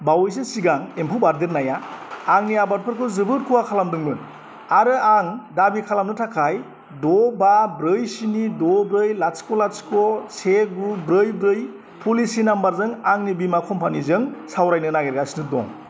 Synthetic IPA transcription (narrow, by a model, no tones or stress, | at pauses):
bawjs̬esiɡaŋempʰubaɾdeɾnajaːŋniabatpʰɯɾkʰɯzɯbɯt̚kʰuwakʰalamdɯŋbɯn | aɾɯaŋdabikʰalamnɯtʰakʰaj | dɔbabɾɯjsinidɔbɾɯjlaskolaskɔsʰeɡɾubɾɯjbɾɯj | pʰulisinambaɾzɯŋaŋnibimakʰɔmpʰanizɯŋsawɾajnɯnaɡeɾɡasnɯdɔ̰ŋ